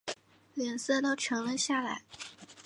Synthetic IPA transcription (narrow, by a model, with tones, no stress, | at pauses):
lɥɛ˨˩nsɤ˥˧t̪o˥ʊʈ͡ʂʰɤ˧˥ŋlə˧ɕja˥˩la˧˥ɪ